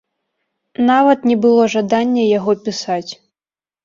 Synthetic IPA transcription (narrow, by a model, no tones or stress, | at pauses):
navɐt̪nʲɛbɨlˠɔʐad̪anʲːɛjaɣɔpʲisat͡sʲ